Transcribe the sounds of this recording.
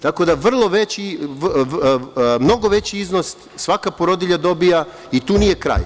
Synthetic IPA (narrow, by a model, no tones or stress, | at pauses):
t̪ako̞d̪aʋr̩lˠo̞ʋet͡ɕi | mno̞ɡo̞ʋe̞t͡ɕiiznos | sʋakapoɾod̪iʎad̪o̞bija | it̪uːnije̞kɾa̰ːj